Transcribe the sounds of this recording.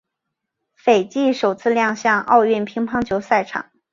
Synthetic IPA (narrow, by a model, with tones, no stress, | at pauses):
fe˨˩ɪt͡ɕi˥˩ʂo˨˩ʊt͡sʰɹ̩˥˧ljɑ˥˧ŋɕjɑ˥˧ŋʔɑ̰˥˧ʊɥɛ˥˩npʰi˧˥ŋpʰɑ˥ŋt͡ɕʰjo˧˥ʊsa˥˩ɪʈ͡ʂʰɑ̰˨˩˦ŋ